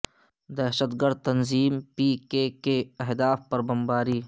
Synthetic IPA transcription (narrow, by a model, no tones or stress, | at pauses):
d̪ɛɦʃət̪ɡəɾd̪̚t̪ɐnziːmpiːkekeɐɦd̪aːfpɐɾbɐmbaːɾiː